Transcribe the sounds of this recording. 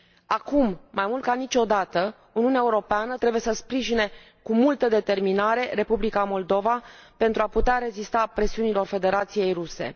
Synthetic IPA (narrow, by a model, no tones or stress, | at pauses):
akumːajmult̪̚kanit͡ʃʲo̞d̪at̪ə | uniuneaeuɾo̞peanət̪ɾebuje̞səspɾiʒine̞ | kumult̪əd̪e̞t̪e̞rminaɾe̞ɾe̞publikamo̞ld̪o̞vape̞nt̪ɾuaput̪eaɾe̞zist̪apɾe̞siunilo̞rfe̞d̪e̞ɾat̪sije̞jruse̞̰